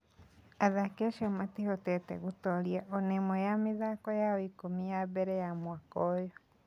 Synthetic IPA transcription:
aðakeʃɔmatihɔtɛtɛ̰ɣutɔljaʔɔnemɔjamiðakɔjaɔikomijaβeɾejamwakɔjɔ

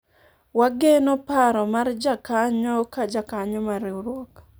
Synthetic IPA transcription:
waɡenopaɾɔmard͡ʒakaɲɔkad͡ʒakaɲɔmaɾuɾwɔk

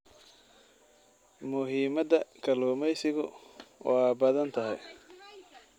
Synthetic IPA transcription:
mʊɦiːmɐd̪ɐkʰɐlɔːmɛjsɪɣʊwʔɑːbɐðɐnt̪ʰɐɦɛ̰j

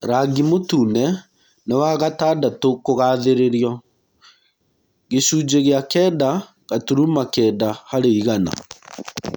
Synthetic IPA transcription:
ɾaɡimotuːnɛ | newaɣataːdatokoɣaːðeɾeɾjɔ | ɣesuːd͡ʒeɣeakɛda | ɣatuɾumakɛdahaɾeiɣana̰

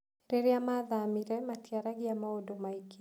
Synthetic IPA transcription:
ɾeɾiamaðamiɾɛmatiaɾaɡiamaodomaiki

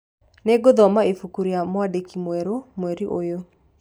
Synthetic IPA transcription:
neɡoðɔmaefukuɾiamwadekimwɛɾomwɛɾiʔojo

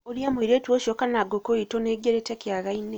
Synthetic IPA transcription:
oljamuiɾeːtwoʃokanaɡokojitoneɡeɾetekjaɣaine

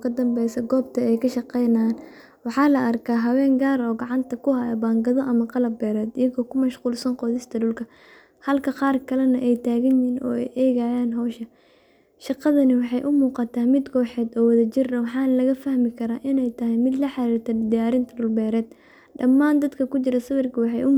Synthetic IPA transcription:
kʰɐd̪ɐmbɛjsɐɡɔːb̚t̪ʰɐɛjkʰɐʃɑqɛjnaːn | wɑħɑːlɐʔɐrkʰaːɦɐwɛːŋɡaːɾɔːɡɑʕɑnt̪ʰɐkʰʊɦɐjɐbaːŋɡɐðɔʔɐmɐqɑlɐbːɛːɾɛːd̪ɪjɐɣɔːkʰʊmɐʃquːlsɐnqɔːðɪst̪ʰɐɖʊlkʰɐ | hɐlkʰɐqɑːrkʰɐlɐnɐʔɛjt̪ʰaːɣɐnjiːnʔɔ̰ːɛ̰jʔɛːɣajaːnɦɔːʃɐ | ʃɑqɑðɐnɪwɑħɑjʔʊmuːqɑt̪ʰaːmɪd̪ɡɔːħɛːd̪ɔːwɐðɐt͡ʃɪrɐwɑħɑːnɐlɐɣɐfɐhmɪkʰɐɾaːʔɪnɛjt̪ʰɐɦɛjmɪd̪lɐħɑɾiːrt̪ʰɐd̪ɪjaːɾɪnt̪ʰɐɖʊlbɛːɾɛːd̪̚ | ɖɐmːaːnd̪ɐd̪kʰɐkʊt͡ʃɪɾɐsɪβɪrkʰɐwɑħɑjʔʊ

